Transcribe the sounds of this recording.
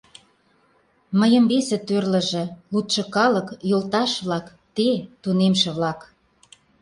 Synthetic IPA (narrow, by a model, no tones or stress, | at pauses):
məjə̆mbesĕt̪ørlə̆ʒĕlut̪ʃɤ̆kɑləkjolt̪ɑʃβlɑk | t̪et̪unemʃĕβlɑk